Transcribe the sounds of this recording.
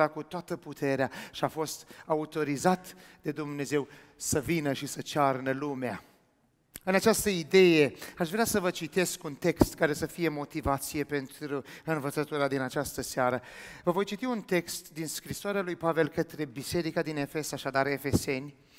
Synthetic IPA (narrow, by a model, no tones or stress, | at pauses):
akut̪oat̪əput̪ʰe̞ɾeaʃiafo̞st̪aut̪o̞ɾizat̪ | d̪e̞d̪umne̞ze̞w | səvinəʃisət͡ʃarnəlumea | ɨnat͡ʃast̪əid̪e̞je̞aʃvɾeasəvət͡ʃit̪e̞skunt̪e̞kst̪kaɾe̞səfije̞mo̞t̪ivat̪sije̞pe̞nt̪ɾuɨnvət̪sət̪uɾad̪inat͡ʃast̪əseaɾəvəvo̞jt͡ʃit̪iunt̪e̞kst̪d̪inskɾisoaɾealujpave̞lkət̪ɾe̞bise̞ɾikad̪ine̞fe̞saʃad̪aɾe̞fe̞se̞nʲ